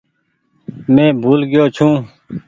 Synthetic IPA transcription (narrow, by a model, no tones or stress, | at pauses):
mẽːbʱuːlɡɪjoːt͡ʃʰũː